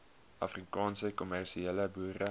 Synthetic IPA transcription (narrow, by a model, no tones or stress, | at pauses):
ʔɐfrikɑːnsəkɔmærʃieləbuːrə